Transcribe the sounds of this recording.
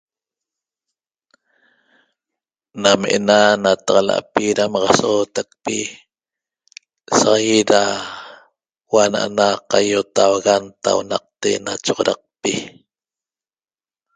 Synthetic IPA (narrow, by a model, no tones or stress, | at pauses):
nameʔenanat̪ɑqɑla̰ʔpiɾamɑʁɑsot̪ak̚pi | sɑʁɑjiɾa | wana̰ʔanaqajot̪awaɣant̪a̰wonɑq̚t̪enat͡ʃoʁoɾɑq̚pi